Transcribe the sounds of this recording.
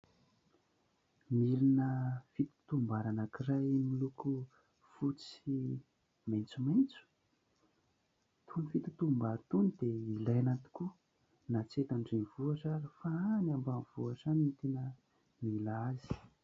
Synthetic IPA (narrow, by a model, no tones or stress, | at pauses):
miɾinəfit̪i̥t̪umbaɾanakirajmiluku | fut͡si | majnt͡sumajnt͡su̥ | t̪ʰunifit̪i̥t̪umbaɾt̪unid̪̥eilajanat̪i̥ku | nat͡set̪aɳɖ͡ʐenvuaʈ͡ʂaɾifaanambanvuaʈ͡ʂanit̪inə | milazi̥